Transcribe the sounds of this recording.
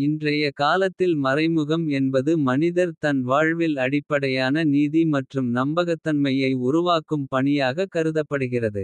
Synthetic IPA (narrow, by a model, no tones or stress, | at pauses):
ɪndrɐjɐkaːlɐt̪ːɪlmɐrɐɪmɯɣɐmɛnbɐðɯmɐnɪðɐɾt̪ɐnʋaːɻʋɪlɐɽɪpːɐɽɐjaːnɐniːðimɐʈrɯmnɐmbɐɣɐt̪ːɐnmɐjɐɪʊɾʊʋaːkɯmpɐɳɪjaːɣɐkːɐɾɯðɐpːɐɽɯɣɪrɐðɯ